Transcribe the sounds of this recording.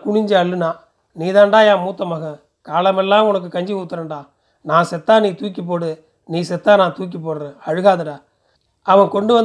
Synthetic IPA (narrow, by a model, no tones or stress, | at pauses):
kʊɳɪɲd͡ʒɯɐɭːɯnãː | niːðaːɳɖaːjãːmuːt̪ːɐmaːɣɐ̃ | kaːlɐmɛlːãːʊnɐk̬ːɯkɐɲd͡ʒiuːt̪ːɐɾɐɳɖaː | naːsɛt̪ːaːniːt̪uːk̬ːip̬ːoːɽɯ | niːsɛt̪ːaːnãːt̪uːk̬ːip̬ːoːɽɾẽːɐɻɯɣaːðɐɽaː | ɐʋɐ̃kɔɳɖɯʋɐn